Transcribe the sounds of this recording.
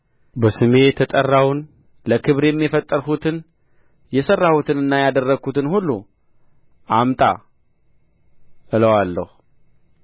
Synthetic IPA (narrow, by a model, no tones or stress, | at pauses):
bəsɨme̞t̪ʰət̪ʼərːawn | ləkʰɨβɾjɛmːjifət̪ʼːəɾhut̪ʰɨn | jɛsərːahut̪ʰɨnɨnːajad̪ərːəɡʰut̪ʰɨnhulːu | ʔamt̪ʼa̰ | ʔɨləwalːə̰hu